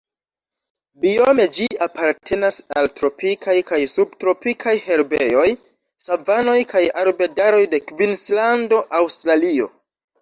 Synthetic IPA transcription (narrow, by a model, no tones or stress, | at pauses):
biome̞d͡ʒiapaɾtʰe̞nasaltɾo̞pikajkajsub̚tɾo̞pikʰajhe̞ɾbḛjo̞j | savano̞jkajaɾbe̞daɾo̞jde̞kvinslando̞ʔawstɾalio̞̰